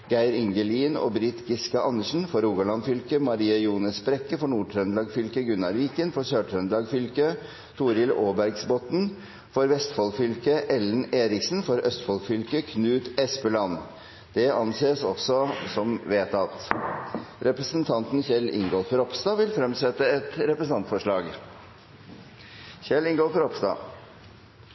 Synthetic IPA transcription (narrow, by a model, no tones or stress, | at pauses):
ɡ̥æɪɾɪŋɡəliːno̰ːbɾit̪ɡɪskəʔɑnːəʂɳ̩fɔɾuːɡɑlɑnfʏlkəmɑɾiːəjuːnəspɾɛkːəfɔɳuːʈʰɾœnlɑːɡfʏlkəɡʉnːɑɾʋiːkənfɔʂøːʈʰɾœnd̪lɑɡfʏlkə | t̪ʰuːɾɪloːbæɾɡsbɔt̪n̩ | fɔɾʋɛst̪fɔlkfʏlkəʔɛlːn̩eːɾɪksn̩fɔɾœst̪fɔlkfʏlkəkʰnʉːt̪ɛspəlɑnː | d̪̥ɛɑnseːsɔsɔsɔmʋeːt̪ɑt̪ | ɾɛpɾəsənt̪ʰɑnt̪nçɛlɪ̰ŋɡɔlfɔɾɔpst̪ɑːʋɪlfɾɛmsɛt̪ːəɛt̪ɾɛpɾəsn̩ʰɑnt̪fɔʂɭɑːɡ | çɛlɪŋɡɔlfɔɾɔpst̪ɑ̰